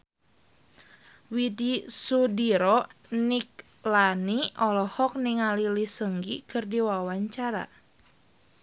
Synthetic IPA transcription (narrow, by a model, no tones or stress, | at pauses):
widisudiɾɔnik̚ | laniɔlɔhɔk̚niŋalilisəŋɡikɨrdiwawaɲt͡ʃaɾa̰